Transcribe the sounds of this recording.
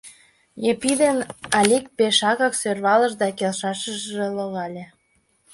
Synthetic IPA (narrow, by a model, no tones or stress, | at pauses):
jepid̪enɑlʲik̚peʃɑɣɑksørβɑləʒd̪ɑkelʃɑʃəʒʒelŏɣɑlʲĕ